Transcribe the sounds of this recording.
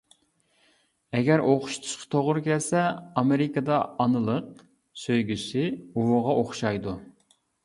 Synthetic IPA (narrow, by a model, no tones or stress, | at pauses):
ɛɡʲɛɾʔoχʊ̥ʃt̪ʰu̥ʃqʰɑ̥t̪ʰoʁʊɾkʲɛlsɛɑmɪɾɪkɨd̪ɑɑnɨlˠəq̚ | søjɡʲysɪuwʊʁɑoχʃɑjd̪u